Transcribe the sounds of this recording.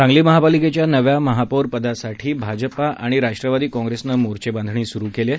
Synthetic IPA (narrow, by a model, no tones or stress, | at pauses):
ɾãŋɡliːməɦapaliket͡ɕjanəʋjaməɦapoɾpəd̪asaʈʰiːbʱad͡ʑəpaʔaɽ̃iɾaʂʈɾəʋad̪iːkɔ̃ŋɡɾesnəmoɾt͡ɕebãnd̪ʱɳ̃iːsuɾuːkele